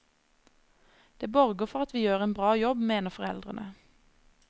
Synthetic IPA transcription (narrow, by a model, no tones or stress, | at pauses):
d̪̥eːbɔʁɡəfɔʁɑt̪ʋiːjøːʁeːnbʁɑːjɔbmeːnəfɔʁɛ̰ld̪ʁənʔə